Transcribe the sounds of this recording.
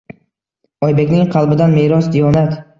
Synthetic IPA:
ɒjbekʲnɪŋqʰɑlˠbɪd̪anmeɾɒsd̪ijɒnat̪

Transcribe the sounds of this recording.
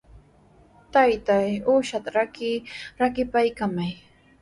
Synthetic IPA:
t̪ajt̪ajuʃat̪aɾakɪɾakɪpajkamaj

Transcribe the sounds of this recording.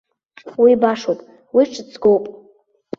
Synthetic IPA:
wibaʂopʼ | wiʈ͡ʂʰɨt͡sʰʼɡowpʼ

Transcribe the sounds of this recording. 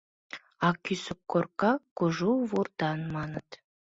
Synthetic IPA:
ɑkʲysəkːorkɑkːuʒuvurt̪ɑnmɑnət̪

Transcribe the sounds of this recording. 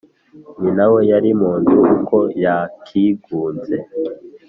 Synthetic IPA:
ninawe̞jaɾimuːnduːkʰo̞jakʰiɡuːnze̞

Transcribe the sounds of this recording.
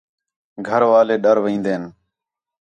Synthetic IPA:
ɡʱəɾʋaːleːɗəɾʋĩːnd̪eːn

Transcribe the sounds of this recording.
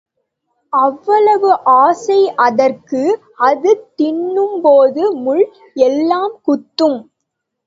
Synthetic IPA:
ɐʋːɐɭɐʋɯʔaːsɐɪʔɐðɐrkɯ | ɐðɯt̪ːɪɳːɯmpoːðɯmʊɭ | ɛlːaːmkʊt̪ːɯm

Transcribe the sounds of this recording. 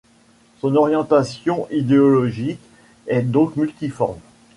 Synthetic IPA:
sɔ̃nɔʁjɑ̃t̪asjɔ̃ʔid̪eɔlɔʒik | ɛd̪ɔ̃kmylt̪ifɔʁm

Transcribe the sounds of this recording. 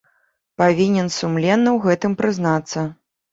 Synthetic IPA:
pavʲinʲɛnsumlʲɛnːɐwɣɛt̪ɨmpɾɨznat̪sːɐ

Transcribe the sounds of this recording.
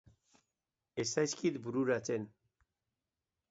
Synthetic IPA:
esajskit̪buɾuɾat͡sen

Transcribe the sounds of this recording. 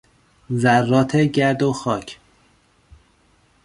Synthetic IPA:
zærːɒːt̪ʰeɟæɾd̪oxɒːcʰ

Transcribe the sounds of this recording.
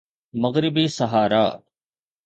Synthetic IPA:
mɐɣɾɪbiːsɐɦaːɾa̰ː

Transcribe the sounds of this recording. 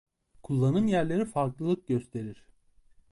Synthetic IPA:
kʰulˠːanɯmjæɾlʲe̞ɾifaɾklˠɯlˠɯk̚ɟøst̪ʰe̞ɾiɾ̥

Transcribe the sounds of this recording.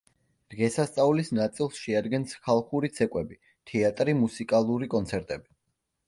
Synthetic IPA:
d̪̥ʁɛsast̪sʼaulisnat̪sʼilˠsʃɛad̪ɡɛnskʰalˠχuɾit̪sʰɛkʼwɛbi | t̪ʰɛat̪ʼɾimusikʼalˠuɾikʼɔnt̪sʰɛɾt̪ʼɛbi

